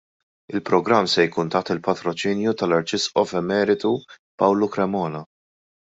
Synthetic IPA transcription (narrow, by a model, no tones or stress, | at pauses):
ɪlpɾɔɡɾɐmːsɛjkuːnt̪ɐħt̪ɪlpɐt̪ɾɔt͡ʃɪːnjut̪ɐlɐɾt͡ʃɪsʔɔfɛmɛːɾɪt̪u | pɐwlukɾɛmɔːnɐ